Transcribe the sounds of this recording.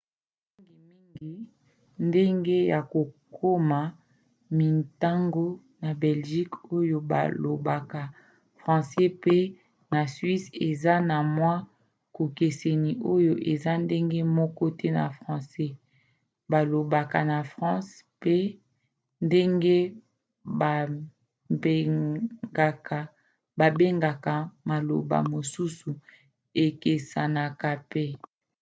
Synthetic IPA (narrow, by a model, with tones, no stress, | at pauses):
i˦ŋɡi˨mi˦ŋɡi˦ | nde˦ŋɡe˦ja˨ko˨kʰo˦ma˨ | mi˨ta˦ŋɡo˦ | na˨bɛ˨lʒi˦ko˦jo˨ba̰˨lo˨ba˨ka˨ | fʁɑ̃˨sɛ˦pe˦ | na˨sɥi˦se˨za˦na˨mwa˦ | ko˨ke˨se˨ni˨ʔo˦jo˨ʔe˨za˦nde˦ŋɡe˦mɔ˦kɔ˦tɛ˦na̰˨fʁɑ̃˨sɛ˦ | ba˨lo˨ba˨ka˨na˨fʁɑ̃˦s | pe˦ | nde˦ŋɡe˦ | ba˨ | be˦ɡa˨ka˨ | ba˨be˦ŋɡa˨ka˨ma˨lo̰˨ba̰˨mo˨su˦su˨ | e˨ke˨sa˨na˨ka˨pe˦